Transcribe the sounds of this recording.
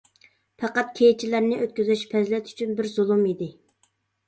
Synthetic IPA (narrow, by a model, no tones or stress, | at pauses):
pʰɑqɑt̪̚kʲʰejt͡ʃʰilæɾnɪʔøt̪̚kʲyzyʃpʰɛzlɛt̪ʰy̥t͡ʃʰynbɪɾzulˠumid̪ɪ